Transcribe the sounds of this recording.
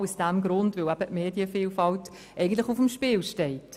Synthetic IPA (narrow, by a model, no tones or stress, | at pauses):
usd̥ɛmɡɾʊndvɪlæb̥ətmeːdjəfiːlfɑlt | ʔɛɪɡən̩tlɪχʊfəmʃpiːlʃtɛɪt